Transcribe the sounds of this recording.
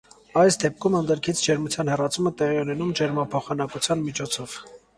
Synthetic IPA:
ɑjsd̪ɛp̚kʰumənd̪əɾkʰit͡sʰd͡ʒɛɾmut͡sʰjɑnhɛrɑt͡sʰumət̪ɛʁiunɛnumd͡ʒɛɾmɑpʰɔχɑnɑkut͡sʰjɑnmit͡ʃʰɔt͡sʰɔv̥

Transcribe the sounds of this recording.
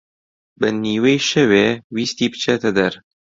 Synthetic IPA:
bɨniːweːjʃɛweːwiːst̪iːbɨ̥t͡ʃʰet̪ɛd̪ɛɾ

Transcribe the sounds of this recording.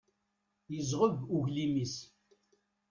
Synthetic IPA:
jəzʁəvuʝlimis

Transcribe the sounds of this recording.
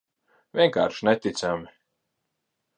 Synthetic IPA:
vʲiɛŋkaːɾʃnet̪ʲit̪sami

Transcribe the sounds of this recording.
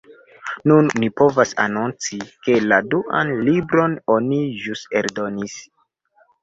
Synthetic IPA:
nunːipo̞vasa̰nunt͡sike̞laduʔa̰nlibɾo̞no̞niʒuse̞ɾdo̞nis

